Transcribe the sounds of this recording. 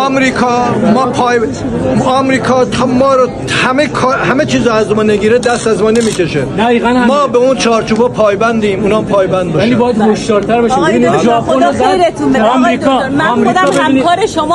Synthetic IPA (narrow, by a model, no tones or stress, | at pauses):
ɒmɾiːkʰɒːmɒːpʰːj | ɒmɾiːkʰɒːt̪ʰɒːmɒːɾo | hæmekʰːhæmet͡ʃʰiːzɔæzmɒːneɡiːɾed̪æst̪æzmɒːnemikʰeʃed̪æiːɣænæmɒːbeunt͡ʃʰɒːɾt͡ʃʰuːbepʰɒːjbænd̪iːmuːnɒmpʰɒːjbænd̪̚bɒːæliːbɒːjæd̪ho̞ʃd̪ɒːɾt̪ʰæɾbɒʃimebinid͡ʒɒːpʰoneɾet̪ʰuɒmɾiːkʰɒːɒmɾd̪beiniɾeʃomː